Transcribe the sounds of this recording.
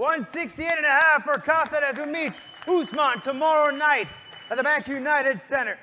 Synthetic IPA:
wʌ̃nsɪkstieɪɾɨ̃nɨhæfə˞kʰɑsɨɾɨzwimit | husmɑ̃ntʰəmɔɹoʊnaɪɾ | ɨt̪̚ðəbækjʉnaɪɾɨdsɛ̃ɾ̃ə˞

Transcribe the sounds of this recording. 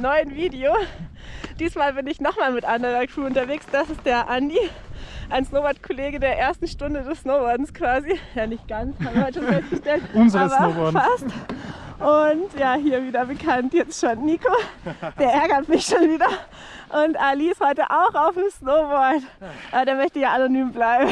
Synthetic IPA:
nɔʏənviːdeoː | d̥iːsmaːlbɪnɪçnɔχmaːlmɪtʔandəʁɐkʁ̥uːʊntɐveːksd̥asɪst̚d̥eːɐʔandi | ʔaɪnsnoːbɔɐtkʰoleːɡədeːɐʔeːɐstn̩ʃtʊndədɛssnoʊbɔɐdn̩skv̥aːzijaːnɪçt̚ɡ̥ant͡shaːbmbhɔʃonfɛstɡ̥əʃtɛltʊnzaʁəbɐɔfast | ʔʊntjaːɦiːɐviːdɐbəkʰantjɛt͡stʃoːnːiːkod̥eːɐʔɛɐɡɐtmɪçʃoːnviːdɐ | ʔʊntʔaliɪsthɔʏtəʔaʊxaʊfmsnoʊbɔɐtʔaɐdeːɐmœçtəjaːʔanonyːmblaɪbm̩

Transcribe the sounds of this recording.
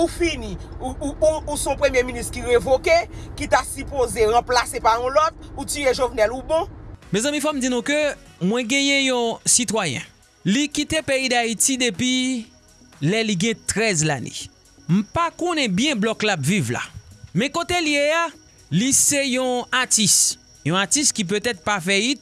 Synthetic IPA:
ufinĩuusɔ̃pʁemjeminist̪kiɣevokekitasypozeɣãplasepaɔ̃lɔt̪̚utieʒovnɛlubɔ̃mɛ̃zãmĩfɔm̩d͡zinũkømwɛ̃ɡɛ̃jɛ̃jɔ̃sit̪wajɛ̰̃ | likit̪epeid̪aitid̪epi | lɛliɡɛ̃t̪ʁɛzlanḛ | m̩pakõnɛ̃bjɛ̃blɔklapvivla̰mɛ̃kot̪elijea | lisejɔ̃atis | jɔ̃atistkip̬øt̪ɛt̪̚pafɛi

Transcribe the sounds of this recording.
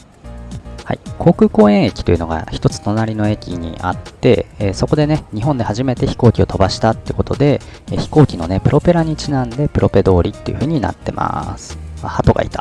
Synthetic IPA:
ha̰ikʰo̞ːkɯ̟ːko̞ːẽ̞ɰ̃ekʲi̥t̪o̞jiɯ̟no̞ɡa̰çi̥t̪o̞t͡sɨ̥t̪o̞naɾʲino̞e̞kʲḭɲ̟ḭʔa̰t̪ːe̞̰so̞ko̞d̪e̞ne̞ɲ̟iɦo̞nd̪e̞haʑime̞t̪e̞çi̥ko̞ːkʲio̞t̪o̞baɕi̥t̪at̪ːeko̞t̪o̞d̪e̞çi̥ko̞ːkʲino̞ne̞pɯ̟ɾʔo̞pe̞ɾaɲ̟it͡ɕinãnd̪e̞pɯ̟ɾʔo̞pe̞d̪o̞ːɾʲit̪ːe̞jɯ̟ɸɯ̟ːɲ̟ina̰t̪ːe̞̰ma̰sɨ̥ahat̪o̞ɡa̰ḭt̪ḁ

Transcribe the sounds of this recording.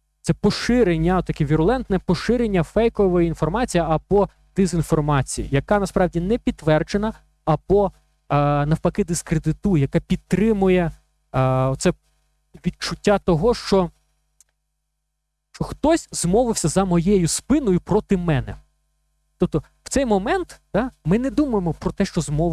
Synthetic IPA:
t̪sɛpɔʃɪɾenʲːɐt̪ːɐkʲɛʋʲiɾʊlˠɛnt̪nɛpɔʃɪɾenʲːɐfɛjkɔʋɔjiinfɔrmɑt͡sʲijiɐbɔ | d̪̥ɪzʲinfɔrmɑt͡sʲijḭjɐkɑnɐspɾɑwdʲinɛpʲidt̪t̪ːʋɛrd͡ʒenɐ | ɐbɔ | nɐwpɐkɪd̪ɪskɾed̪ɪt̪ujjɐkɑpʲid̪̚t̪ːɾɪmʊjɛ | ɔt̪sɛ | ʋʲid̪̚t͡ʃʊtʲːat̪ɔɦɔʃt͡ʃɔ | ʃt͡ʃɔxt̪ɔsʲzmɔʋɪwsʲɐzɐmɔjɛjʊspɪnʊjʊpɾɔt̪ɪmɛnɛ̰ | t̪ɔp̚t̪ɔ | w̥t̪sɛjmɔmɛnt̪d̪ɑmɪnɛd̪umɐjemɔpɾɔt̪ɛʃt͡ʃɔzmɔʋ

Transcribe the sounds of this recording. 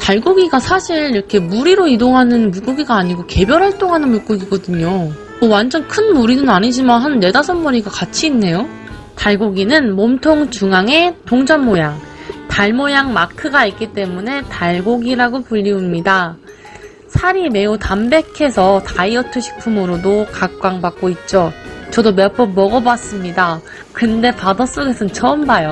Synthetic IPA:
taɭɡoɡiɡasʰaɕʰiɾiɾʌkʰe̞muɾiɾoidoŋɦanɯnmuɭk͈oɡiɡaːɲiɡoke̞bjʌɾɦaɭt͈oŋɦanɯnmuɭk͈oɡiɡʌdɯɲo | mowand͡ʑʌnkʰɯnmuɾinɯnaɲid͡ʑimanɦanːe̞dasʰʌnmuɾiɡakat͡ɕʰiːnːe̞jo | taɭɡoɡinɯnmʌmtʰoŋt͡ɕuŋaŋe̞toŋd͡ʑʌnmojaŋtaɭmojaŋmakʰɯɡaik͈it͈e̞mune̞taɭɡoɡiɾaɡopuʎːiumɲida | sʰaɾime̞utambe̞kʰe̞sʰʌtaiʌtʰɯɕʰi̥pʰumɯɾodokak̚k͈waŋbak̚k͈oit̚t͡ɕ͈ot͡ɕʌdomjʌp͈ʰʌmʌɡʌbwas͈ɯmɲida | kɯnde̞padas͈oɡe̞sʰʌnt͡ɕʰʌmbajo

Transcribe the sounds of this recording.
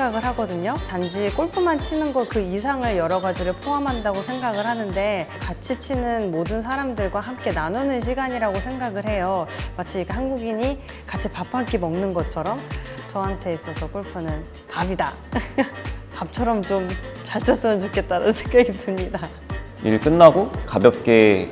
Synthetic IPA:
ɡaɡɯɭɦaɡʌdɯɲotand͡ʑik͈oɭpʰɯmant͡ɕʰinɯnɡʌkɯis̬ʰaŋɯɭjʌɾʌɡad͡ʑiɾɯɭpʰoɦamɦandaɡosʰe̞ŋɡaɡɯɭhanɯnde̞kat͡ɕʰit͡ɕʰinɯnmodɯns̬ʰaɾamdɯɭɡwaɦamk͈e̞nanunɯnɕ̬ʰiɡaɲiɾaɡosʰe̞ŋɡaɡɯɭhe̞jomat͡ɕʰiikeɦanɡuɡiɲi | kat͡ɕʰipapʰak͈imʌŋnɯnɡʌt͡ɕʰʌɾʌmt͡ɕʌɦantʰe̞is͈ʌsʰʌkoɭpʰɯnɯn | tabida | pap̚t͡ɕʰʌɾʌmt͡ɕomt͡ɕaɭt͡ɕ͈ʰʌs͈ɯmjɯnt͡ɕok͈ʰe̞t̚t͈aɾannsʰeŋɡaɡitɯmɲida | ḭɾɯɭk͈ɯnːaɡokabjʌp̚k͈e̞

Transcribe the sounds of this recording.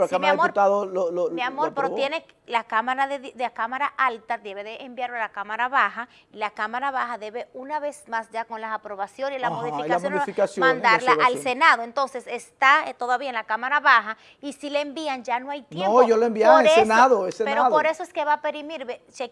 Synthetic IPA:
lkammɾaaðmouɾt̪aðoolmeamoɾpoɾot̪jene | lakamaɾaðeððeakamaɾaʔalt̪ad̪e̞βe̞ðeʔembjaɾoalakamaɾaβaxa | ilakamaɾaβaxaðe̞βe̞unaβe̞smasd͡ʒako̞nlaːpɾo̞βasjo̞nslamoðifikassonfikasjomãnd̪aɾlaʔalse̞naðoent̪o̞nse̞sest̪at̪oðaβiaenlakamaɾaβaxa | isileembiand͡ʒanoajt̪jeoʝoloembiaoɾseenaðoesepeɾoðpoɾe̞soeske̞βape̞ɾimiɾβese

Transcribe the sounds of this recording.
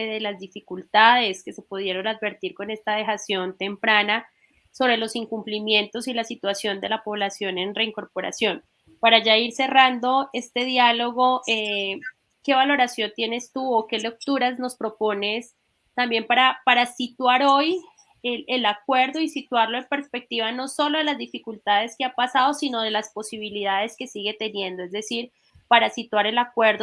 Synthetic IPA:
eðelazd̪ifikult̪aðe̞ske̞se̞puð̞je̞ɾo̞naðbe̞ɾt̪iɾko̞ne̞st̪aðe̞xasjo̞nt̪e̞mpɾana | so̞βɾe̞lo̞siŋkumplimje̞nt̪o̞silasit̪wasjo̞nd̪e̞lapo̞βlasjo̞ne̞nre̞iŋko̞ɾpo̞ɾa̰sjo̞n | paɾaʝaiɾse̞rand̪o̞e̞st̪e̞ðjalo̞ɣo̞e | ke̞βalo̞ɾasjo̞nt̪je̞ne̞st̪uoke̞lek̚t̪uɾazno̞spɾo̞po̞nes | t̪ambje̞mpaɾapaɾasit̪waɾo̞j | eelakwe̞ɾðo̞isit̪waɾlo̞empe̞ɾspek̚t̪iβano̞so̞lo̞ðelazd̪ifikult̪að̞e̞skeapasað̞o̞sino̞ð̞e̞laspo̞siβ̞ilið̞að̞e̞ske̞siɣe̞t̪e̞nje̞nd̪o̞e̞zd̪esiɾ | paɾasit̪waɾe̞lakwe̞ɾðo

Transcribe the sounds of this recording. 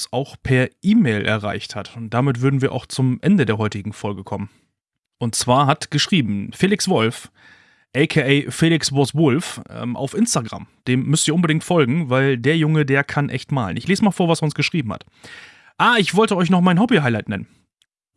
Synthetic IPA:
saʊxpʰɛɐʔiːmeːlʔɛ̰ɐʁa̰ɪçthatʊnt̚d̥amɪtv̥ʏɐdn̩viːɐʔa̰ʊxt͡sʊmʔɛndədeːɐɦɔʏtɪɡŋ̩fɔlɡəkʰɔmən | ʔʊntt͡sv̥aːɐɦatɡ̥əʃʁ̥iːbm̩feːlɪksv̥ɔlf | ʔɛkʰeʔɛːfeːlɪksvɔsvʊlfʔɛ̰ːmʔa̰ʊfʔɪnstaɡʁa̰md̥eːmːʏstiːɐʊnbədɪŋktfɔlɡŋ̩vaɪldeːɐjʊŋədeːɐkʰanʔɛçtmaːlə̰nɪçleːsmaːlfoːɐvasɛɐʊnsɡ̥əʃʁ̥iːbm̩ha̰t | ʔaːɪçv̥ɔltəɔʏçnɔχmaɪnɦɔbiɦaɪlaɪtnɛ̰nən

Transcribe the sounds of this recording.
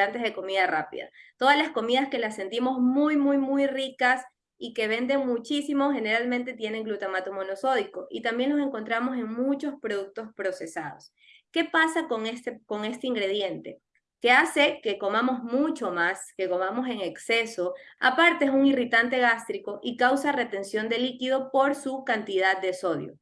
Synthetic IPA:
ant̪e̞zðeko̞miðarapḭða̰t̪o̞ðazlasko̞miðaske̞lasːe̞nt̪imo̞zmujmujmujrikas | ike̞β̞e̞nd̪e̞ŋmut͡ʃisimoxe̞ne̞ɾalmẽnt̪e̞t̪je̞ne̞ŋɡlut̪amat̪omo̞no̞so̞ðiko̞ʔit̪ambje̞nlo̞s̬e̞ŋkont̪ɾamo̞se̞ŋmut͡ʃo̞spɾo̞ðuk̚t̪o̞spɾo̞se̞saðo̞s | ke̞pasakoŋest̪eko̞ŋe̞st̪eiŋɡɾe̞ðje̞nt̪e̞̰ | ke̞ase̞ke̞ko̞mamo̞zmut͡ʃo̞maske̞ko̞mamo̞se̞ŋe̞kse̞so̞a̰paɾt̪e̞es̬uŋirit̪ant̪e̞ɣast̪ɾiko̞ʔikawsare̞t̪e̞nsjo̞nd̪e̞likiðo̞po̞ɾsukant̪iðad̪d̪eso̞ð̞jo̰

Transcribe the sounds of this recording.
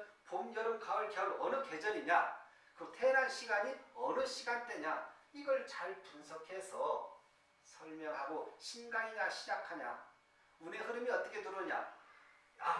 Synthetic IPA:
pomjʌɾɯmkʰaɯɭkʌuɾʌnɯke̞d͡ʑʌɲiɲa | kɯtʰe̞ɾanɕʰiɡaɲiʌnɯɕʰiɡant͈e̞ɲaiɡʌɭt͡ɕaɭpunsʰʌkʰe̞sʰʌ | sʰʌɭmjʌŋɦaɡoɕʰinɡaŋinaɕʰid͡ʑakʰaɲa̰ | une̞ɦɯɾɯmiʌt͈ʌkʰe̞tɯɾoɲa̰ | a

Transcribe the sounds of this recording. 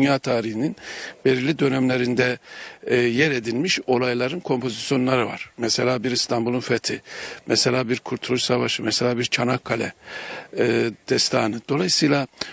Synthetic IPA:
ynjaːt̪ʰaːɾihininbeɾilʲid̪ø̞nɛmlʲeɾind̪ɛ | jɛɾe̞d̪ilʲmiʃo̞lˠajlˠaɾɯnkʰo̞mpʰo̞zisjo̞nlˠaɾɯva̰ɾ̥mɛselʲaːbiɾst̪ʰambulˠunfɛt̪ʰimɛselʲaːbiɾkʰuɾt̪ʰulˠuʃsavaʃɯmɛselʲaːbiɾt͡ʃʰanakʰːalʲɛ̰ | d̪̥ɛst̪ʰaːnɯd̪̥o̞lˠajɯsɯjlˠa

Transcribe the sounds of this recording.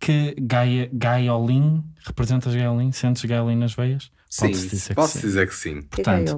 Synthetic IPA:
kʰɨɣajɐɣajɔlˠĩʁɨpɾɨzẽnt̪ɐʒɣajɔlˠĩsẽnt̪ʒɣajɔlˠĩnɐʒvɛjɐʃ | spɔ̃ðsd̪izeɾkpɔðsd̪izeɾksḭ̃puɾt̪ɐ̃nt̪u̥

